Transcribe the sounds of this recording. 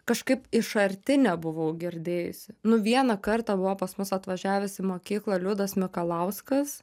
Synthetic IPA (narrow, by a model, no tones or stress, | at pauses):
kɐʃkɐɪpɪʃɐɾʲt̪ʲɪnʲɛbʊʋɐʊɡʲɪɾʲd̪ʲeːjʊ̰sʲɪnʊʋʲiɛnɐkɐɾt̪ɑbʊʋoːpɐsmʊsɐt̪ʋɐʒʲæːʋʲʊsɪmoːkʲiːklˠɐlʲʊd̪ɐsmʲɪkɐlˠɐʊskɐs